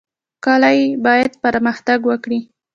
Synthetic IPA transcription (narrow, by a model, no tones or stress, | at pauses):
kɑlajebɑjad̪pəɾməxt̪aɡwəkɽi